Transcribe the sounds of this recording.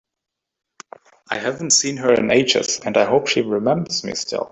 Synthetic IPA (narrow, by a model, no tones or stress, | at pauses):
ʔaɪɦæṽn̩tsĩnə˞ɨ̰̃neɪd͡ʒɨ̰sɨ̃naɪɦoʊpʃiɹɨmɛ̃mbə˞z̥mḭstʰɪ̰lˠ